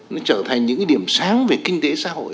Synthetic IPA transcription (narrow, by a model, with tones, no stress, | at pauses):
nɔ˨˦t͡ɕəː˧˩t̪ʰa˨˩ŋɲɨ̰˧˥ŋkːɗi˧˩əmsaː˨˦ŋve˨˩kï˧ŋ̟t̪e˨˦sa̰ː˧˥ɦo̰˧˨j